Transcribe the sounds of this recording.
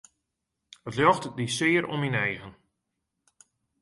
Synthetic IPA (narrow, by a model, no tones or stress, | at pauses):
ətljɔxtdisɪːəɾɔ̰minɛjɣən